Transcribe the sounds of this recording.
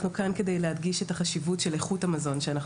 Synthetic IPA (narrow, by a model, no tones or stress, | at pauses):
nukanke̞dejlehadɡiʃetaχaʃivutʃeleχuthamazo̞nʃeanaχ